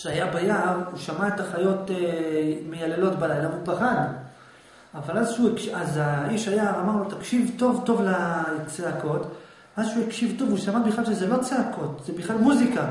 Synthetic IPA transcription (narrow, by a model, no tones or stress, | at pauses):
ʃeajabejavuʃamaetaχajo̞temejalelotbalajlaupaχan | avalazʃuekʃazaiʃajaamaʁlot̪akʃivto̞vto̞vlat͡seako̞t | vazʃuikʃivto̞vuʃamabiχlalʃezelo̞t͡seako̞t̪z̥ebiχlalmuzika